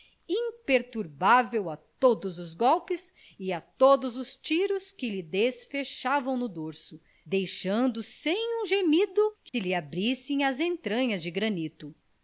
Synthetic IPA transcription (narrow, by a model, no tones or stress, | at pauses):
ĩpeɾt̪uɾbavewat̪od̪ʊzʊzɡɔwpɪs | ɪat̪od̪ʊzʊst͡ʃiɾʊskɪlɪd̪esfeʃavɐ̃w̃nʊd̪oɾsʊ | d̪ejʃɐ̃nd̪ʊsẽj̃ũʒemid̪ʊkɪlɪabɾisẽj̃ɐzẽnt̪ɾɐ̃ɲɐzd͡ʒɪɡɾɐnit̪ʊ